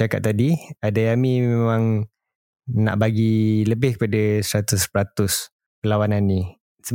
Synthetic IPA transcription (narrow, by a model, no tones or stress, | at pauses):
aka̰t̪ːadiadaamĩmemãŋ | na̰ʔbaɡiləbɪhkə̥padasɾat̪ʊspɾat̪ʊs | pəlawananːĩ | sə